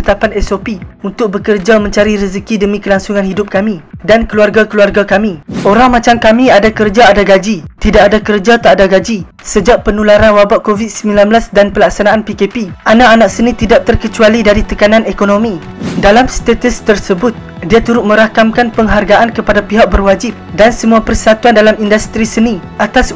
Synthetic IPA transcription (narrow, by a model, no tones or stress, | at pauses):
ət̪apanɛsopiunt̪ʊk̚bəkərd͡ʒamə̃ɲt͡ʃaɾiɾəzəkidəmĩkəlaŋsuŋãnhidʊp̚kamĩdankəluarɡakəluarɡakamĩʔoɾaŋmãt͡ʃamkamĩadakərd͡ʒaːdaɡad͡ʒit̪idaʔadakərd͡ʒat̪aʔdaɡad͡ʒi | səd͡ʒaʔpənulaɾanwabaʔkovit̪̚səmĩlanbəlasdanpəlaksanãanpikepiʔanaʔanak̚sənĩt̪idaʔ̚t̪ərkət͡ʃualidaɾit̪əkanãnekonõmĩ | dalamst̪et̪əst̪ərsəbʊt̪̚ | diat̪uɾʊt̪̚mə̃ɾakamkanpəŋɦarɡaʔankəpadapiɦak̚bərwad͡ʒɪp̚dansəmũapərsat̪uandalamindust̪ɾisəniʔat̪as